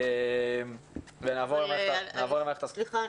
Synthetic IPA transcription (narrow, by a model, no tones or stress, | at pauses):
mvenaːvoʁlemaenaːvoʁlemaeχt̪as